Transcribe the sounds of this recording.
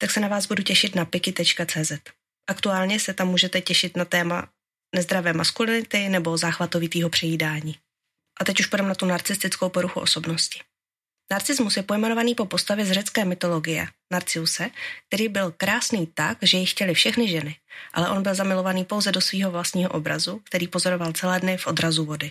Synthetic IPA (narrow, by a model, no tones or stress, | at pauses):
t̪aksɛnavaːzbuducɛʃɪt̪napɪkɪt̪ɛt͡ʃkat͡sɛːzɛt̪ | ʔakt̪uaːlɲɛsɛt̪amːuːʒɛt̪ɛcɛʃɪt̪nat̪ɛːma̰ | nɛzd̪ɾavɛːmaskulɪnɪt̪ɪnɛbo̞zaːxvat̪o̞vit̪iːɦo̞pr̥ɛjiːdaːɲiː | ʔat̪ɛcuʃpodɛmnat̪unaɾt͡sɪst̪ɪt͡skowpo̞ɾuxuʔo̞so̞bno̞scɪ̥ | naɾt͡sɪzmusjɛpo̞jmɛnovaniːpo̞po̞st̪avjɛzrɛt͡skɛːmɪt̪o̞lo̞ɡɪjɛ̰naɾt͡sɪusɛk̚t̪ɛɾiːbɪlkɾaːsniːt̪akʒɛjɪxcɛlɪfʃɛxnɪʒɛnɪʔa̰lɛʔo̞nbɪlzamɪlo̞vaniːpo̞wzɛdosviːɦo̞vlast̪ɲiːɦo̞ʔobɾa̰zuk̚t̪ɛɾiːpo̞zo̞ɾovalt͡sɛlɛːdnɪfʔo̞d̪ɾazuvo̞dɪ